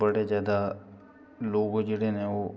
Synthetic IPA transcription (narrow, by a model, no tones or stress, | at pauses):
əɽezjaːd̪a | loːɡod͡ʒeːɽeneoː